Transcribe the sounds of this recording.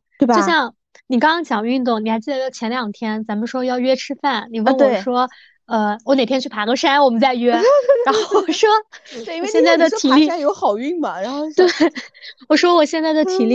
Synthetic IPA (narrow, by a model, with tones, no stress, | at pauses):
e˥˩˥ɕjɑ˥˩ŋ | ni˨˩kɑ˥ŋkɑ˥ŋt͡ɕjɑ˨˩ŋy˥˧nt̪̬ʊ˥˩ŋni˨˩xa˧˥ɪt͡ɕi˥˩d̪ə˧˩jt͡ɕʰjɛ˧˥nljɑ˨˩ŋt̪ʰjɛ˥nt͡sa˧˥nmə˧ʂwɔ˥jɑ˥˧ʊɥɛ˥ʈ͡ʂʰɻ̩˥fa˥˩nni˨˩wə˥˩˨ʂwɔ˥ | ə˧wɔ˧˥ne˨˩ɪpʰjɛ˥t͡ɕʰy˥˩pʰa˧˥ɡə˥˧ʂa˥nwɔ˨˩mə˦nt͡sa˥˧ɪɥɛ˥ɻa˧˥nxo˥˩ʊwɔ˨˩ʂwɔ˥wɕjɛ˥˧nt͡sa˥˩ɪd̪ə˨˩˥i˨˩˥li˥˩a˥jo˧˥ʊxɑ˨˩ʊy˥˩ŋmɐ˩ɻa˧˥xo˥˧ʊt̪we˥˩wɔ˨˩ʂwɔ˥wɔ˨˩ɕjɛ˥˧nt͡sa˥˩ɪd̪ə˩t̪ʰi˨˩li˥˩